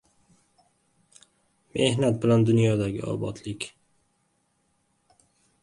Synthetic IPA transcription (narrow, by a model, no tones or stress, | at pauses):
mehnat̪̚bland̪ɵnjɑːd̪ɑɡ̰ɑ̰ːbɑ̰t̪ʰlɪkʲ